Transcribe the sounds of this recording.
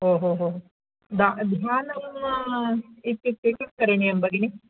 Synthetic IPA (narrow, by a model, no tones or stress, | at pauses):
ɦoːɦoːɦoːɦo | d̪ad̪ʱjaːnɐm | it̪ːit̪ːit̪ːikɐɾenijɐmbɐɡini